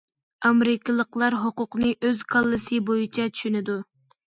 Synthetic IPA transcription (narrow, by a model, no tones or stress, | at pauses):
ɑmɾɪkʰʲɪlˠəqlˠɑɾɦoqʊqnɨʔøzkʰɑlˠːɨsɨbojit͡ʃʰɛt͡ʃʰy̥ʃynɪd̪u